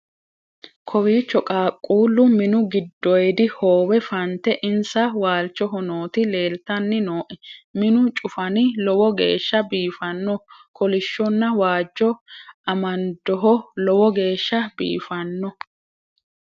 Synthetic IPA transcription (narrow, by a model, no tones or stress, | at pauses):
kʰɔwiːt͡ʃːɔkʼaːkʼːuːlːʊmɪnʊɡɪd̪ːɔjɛd̪ɪhoːwɛfɐnt̪ɛʔɪnsɐwaːlt͡ʃːɔɦɔnoːt̪ɪle̞ːlt̪ɐnːɪnoːʔɛmɪnʊt͡ʃʼʊfɐnɪlɔwɔɡḛːʃːɐbiːfɐnːɔkɔlɪʃːɔnːɐwaːd͡ʒːɔɐmɐnd̪ɔɦɔlɔwɔɡe̞ːʃːɐbḭːfɐnːɔ